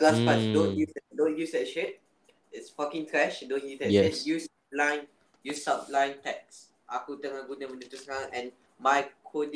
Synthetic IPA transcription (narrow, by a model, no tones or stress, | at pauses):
laspasdõnjusɛdõnjusdɛtʃet̚ | ɪtsfakĩŋt̪ʰɹɛʃdõnjusdɛɛsjus | p̚lãɪ̃n | jusaplãj̃ntɛk̚s | ʔakutə̃ŋaɡunɛ̃mə̃ndutusãʔɛ̃n | majkʰodi